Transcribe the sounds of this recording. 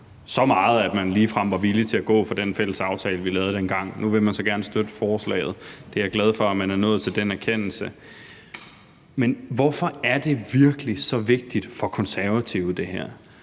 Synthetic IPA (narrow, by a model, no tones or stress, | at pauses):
sɒ̽mɑ̈ːð̞̩ˠæd̥mænliːfʁɑm̰ʋɑ̈ʋilit͡sʰe̝æɡ̥ɔ̰̽ːfɒ̽d̥enfel̰əsɑ̈ʊt͡sʰɛːləʋilɛːʊð̞̩ˠd̥enɡ̥ɑ̈ŋ̰nuʋe̝mænsɒ̽ɡ̥æɐnəsd̥ød̥əfɒːslɛ̰ɪð̞̩ˠd̥e̝æɐɡ̥læð̞ˠfɒ̽æmænæɐnɔ̽ːð̩ˠt͡sʰe̝ld̥enæɐkʰen̰l̩sə | menʋɒfɒ̽æɐd̥e̝ʋiɐɡ̥əlisɒ̽ʋe̝ɡ̥̚d̥id̥fɒ̽kʰɒ̽nsæɐʋæt͡sʰiʊðˠd̥e̝hæɐ̰